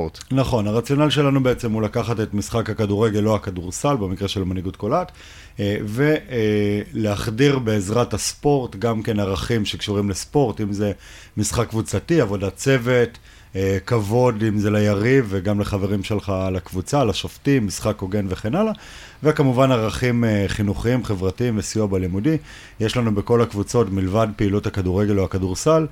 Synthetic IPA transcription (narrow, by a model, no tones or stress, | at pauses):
tnaχo̞naʁat͡sjo̞nalʃe̞lanube̞et͡se̞mulakaχate̞tmisχakhakaduʁeɡe̞lːohakaduʁsalbe̞mikʁeʃe̞lmaniɡut̚kolat | ve̞ | leaχdiʁbe̞ːzʁathaspo̞ʁtɡamke̞naʁaχimʃekʃuʁimlespo̞ʁtimze | misχakːvut͡satiavo̞dat͡se̞ve̞t | kavo̞dimzelajaʁiveɡamleχave̞ʁimʃelχalakvut͡salaʃoftimisχakoɡe̞nveχenala | vekamuvanaʁaχimχinuχiimχevʁatiimvesiuabalimudi | jeʃlanubeko̞lakvut͡so̞tmilvad̚peiluthakaduʁeɡe̞loakaduʁsal